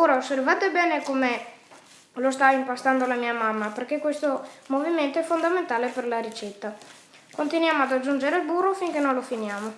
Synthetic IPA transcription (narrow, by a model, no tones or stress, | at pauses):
oːɾaosːervaːt̪ebɛːnekome | lost̪aimpast̪and̪olamiːamamːaperkekwest̪omoviment̪oɛfːond̪ament̪aːleperlaɾit͡ʃɛt̪ːa | kont̪inwjaːmoad̪ad͡ʒːund͡ʒeɾelbuːrofiŋkenojlofinjaːmo